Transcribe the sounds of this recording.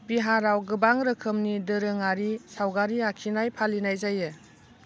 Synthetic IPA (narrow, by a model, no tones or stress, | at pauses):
biɦaɾawɡɯbaŋɾɯkʰɯmnidɯɾɯŋaɾisawɡaɾiakʰinajpʰalinajzajɯ